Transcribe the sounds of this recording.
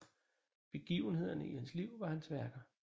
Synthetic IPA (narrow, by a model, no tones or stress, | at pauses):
b̥e̝ɡ̥ḭʊənɦe̝ð̞̰ˠɐnəihænsliʊ̰ʋɑ̈hænsʋæɐɡ̥ɐ